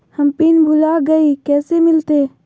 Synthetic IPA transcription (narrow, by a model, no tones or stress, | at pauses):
hɐmpiːnbʱʊlaɡɐikɛːsemɪlt̪eː